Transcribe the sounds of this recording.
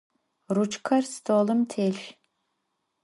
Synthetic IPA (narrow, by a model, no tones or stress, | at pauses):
rut͡ʃkʰɐrst̪ʰoːlɨmtʰeːʃ